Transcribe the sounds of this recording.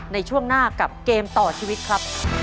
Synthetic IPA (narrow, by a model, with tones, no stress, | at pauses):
na˧jt͡ɕʰu˥˩əŋnaː˥˩ka˨˩p̚keː˧mt̪ɔː˨˩t͡ɕʰiː˧wi˦˥t̪̚kʰɾa˦˥p̚